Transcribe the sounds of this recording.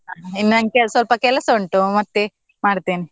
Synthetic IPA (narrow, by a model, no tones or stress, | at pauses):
ɐɦinːunɐŋɡkɛsʋɐlpɐkɛlɐsuɳʈumɐt̪ːe | maːɽt̪iːni